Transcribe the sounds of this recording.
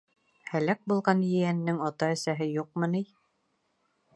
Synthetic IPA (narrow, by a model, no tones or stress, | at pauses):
hælæk̚bulˠʁɑnjɘjænːɘŋɑt̪ɑɘ̆sæɦɘjuq̚mɤ̆nij